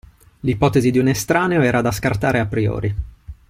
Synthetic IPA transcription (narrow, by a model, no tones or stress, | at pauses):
lipɔːt̪ezid̪iunest̪ɾaːneoɛːɾad̪askart̪aːɾeapɾiɔ̰ːɾi